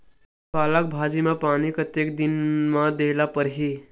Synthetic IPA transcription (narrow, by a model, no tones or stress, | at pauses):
kalak̚bʱad͡ʒimapaɽ̃ikət̪jek̚d̪inmad̪elapəɾɦi